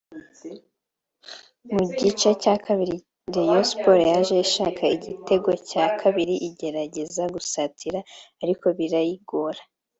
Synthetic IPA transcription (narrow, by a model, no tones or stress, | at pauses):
muɟit͡ʃe̞caːkʰaβiɾi | ɾejospoɾjaʒe̞iʃaːkʰaiɟitʰe̞ɡo̞caːkʰaβiɾiʔiɟe̞ɾaɟe̞zaɡusatʰiɾaːɾiko̞βiɾajiɡo̞ɾa